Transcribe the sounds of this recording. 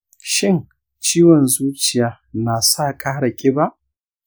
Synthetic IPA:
ʃɪ˦˨ŋ | t͡ʃiː˦wɔ˨nzuː˦t͡ʃɪ˨jaː˨ | naː˨saː˦˨kʼaː˦ɽɐ˨kʲʼeː˦ba˦ʔ

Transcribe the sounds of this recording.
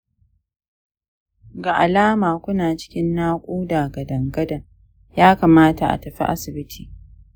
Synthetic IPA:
ɡa˨ʔa˨laː˦maː˨kʷʊ˦naː˨t͡ʃɪ̥˦kʲɪ˦nːaː˦kʷʼuː˦daː˨ɡɐ˨dɐ˨ŋɡɐ˦dɐ˨ŋ | jaː˦ka˨maː˦ta˨ʔa̰˨tɐ˨ɸḭ˦ʔa̰˦sɪ˨bɪ˦tʰiː˨

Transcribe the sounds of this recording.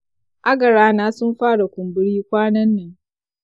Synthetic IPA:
ʔa˦ɡɐ˨ɾaː˦naː˦sʊ˦mɸaː˦ɽa˨kʷʊ˨mbɪ˦ɽiː˦kʷaː˦nɐ˦nːeː˨

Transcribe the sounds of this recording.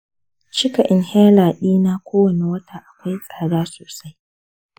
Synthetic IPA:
t͡ʃɪ˦ka˨ʔɪ˨nhɛ˦laː˨ɗiː˦naː˦kʷʰoː˦wɐ˨ne˨wɐ˦tʰaː˨ʔa˨kʷa˦jsʼaː˨ɽaː˦soː˨sa˦j

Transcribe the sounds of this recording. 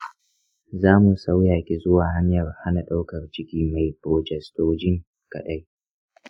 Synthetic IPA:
zaː˦mu˨sa˦wjaː˨kʲi˨zʊ˦waː˨ɦa˦ɲjɐ˨rha˦na˨ɗa˦wkɐ˨rd͡ʒɪ˦kʲiː˨ma˨jpɾoː˨d͡ʒɛ˨stoː˦d͡ʒɪ˦ŋ | kɐ̰˨ɗa˦j

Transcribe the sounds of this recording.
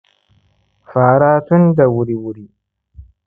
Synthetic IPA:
faː˨ɾaː˦tu˦ndɐ˨wu˨ɾi˨wu˨ɾi˨

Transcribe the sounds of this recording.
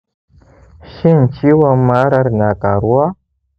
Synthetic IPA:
ʃi˦n˨t͡ʃi˦wa˦ma˦ɾa˦ɾna˨ka̰˨ɾu˦a˦

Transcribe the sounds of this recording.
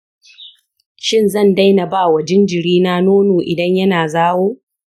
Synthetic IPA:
ʃɪ˦nzɐ˦˨nda˦jnɐ˨baː˦˨wɐ˨d͡ʒɪ˦nd͡ʒɪ˨ɽiː˦naː˦noː˦noː˨ʔɪ˨dɐ˦ɲjɐ˦naː˨zaː˦woː˦

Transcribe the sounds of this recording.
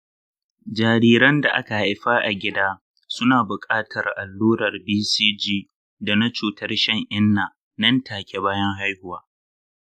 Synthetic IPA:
d͡ʒaː˨ɾiː˦ɾɐ˦nda˨ʔa̰˦ka˨ha˨jɸaː˦ʔa˨ɡʲɪ˦daː˦ | sʊ˦naː˨bʊ˨kʼaː˦tʰɐ˨rʔa˨lːuː˦ɾɐ˨rbiː˦siː˦d͡ʒiː˦ | da˨na˦t͡ʃuː˨tɐ˦rʃɐ˦˨ŋʔɪ˦nːaː˨ | nɐ˦ntʰaː˨kʲʰe˦baː˦jɐ˦ŋɦa˦jhʊ˦waː˦

